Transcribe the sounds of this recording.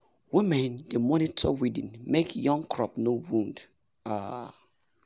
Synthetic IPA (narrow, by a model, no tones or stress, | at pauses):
wĩmɛ̃nd̥emɔ̃nitʰɔwidɪ̰̃nmekʰjɔ̃ŋkʰɹɔpnowũnd | a